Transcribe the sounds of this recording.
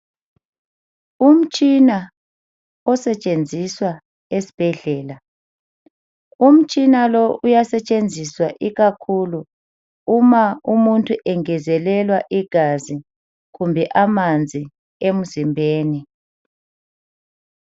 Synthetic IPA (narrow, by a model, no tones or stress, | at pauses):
um̩t͡ʃʼina | ɔsɛt͡ʃʼend͡zʱiswa | esi̥b̥ʱɛɮɛːla | um̩t͡ʃʼinalɔujasɛt͡ʃʼend͡zʱiswaʔiɣakʰuluː | maumuntʼʰuʔɛŋɛzɛlɛlwaʔiɡ̥ʱazi | ɣumbʱɛʔamand͡zʱi | em̩zimbʱeːni